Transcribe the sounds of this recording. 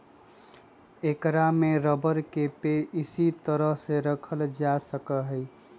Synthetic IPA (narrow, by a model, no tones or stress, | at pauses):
ekɾameɾəbəɾkepeisit̪əɾəɦseɾəkʰəld͡ʒasəkəɦəɪ